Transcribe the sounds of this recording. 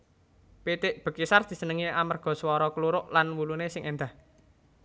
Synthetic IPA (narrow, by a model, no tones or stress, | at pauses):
pit̪ɪʔb̥ə̤kisard̪̥i̤sənəŋiamərɡ̥ɔ̤swɔɾɔkəluɾʊʔlanwulunesɪŋʔend̪ah